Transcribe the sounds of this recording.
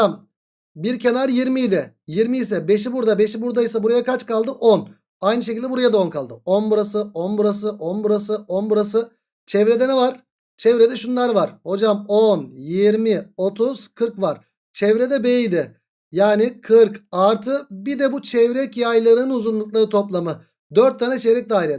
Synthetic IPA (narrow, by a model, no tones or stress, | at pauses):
am | biɾcʰe̞naɾjiɾmijd̪ɪjiɾmiisɛbe̞ʃ̬ibuɾd̪abe̞ʃibuɾd̪ajisabuɾajakʰat͡ʃkalˠd̪ɯʔon | ajnɯʃ̬e̞cʰʲilʲd̪ʲɛbuɾajad̪aonkʰalˠd̪ɯonbuɾas̬ɯʔonbuɾasɯʔonbuɾasɯʔonbuɾas̬ɯ | t͡ʃʰɛvɾɛd̪ɛnɛvaɾ̥ | t͡ʃʰɛvɾɛd̪ɛʃunlˠaɾvaɾ̥ho̞d͡ʒamonjiɾmɪo̞t̪ʰuz̥kʰɯɾkvaɾ | t͡ʃʰɛvɾɛd̪ɛbejijd̪ɪ | jaːnɪkʰɯɾkaɾt̪ʰɯbid̪ɛbut͡ʃʰɛvɾɛcjajlˠaɾɯɯnuzunlˠuk̚lˠaɾɯt̪ʰo̞plˠamɯ | d̪øɾt̪ʰːanɛt͡ʃʰɛvɾɛc̚d̪aːiɾɛ